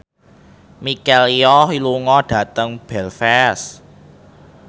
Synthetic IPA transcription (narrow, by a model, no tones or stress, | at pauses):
mikɛliɔɦiluŋɔɖ̥ä̤t̪əŋb̥ɛlfɛs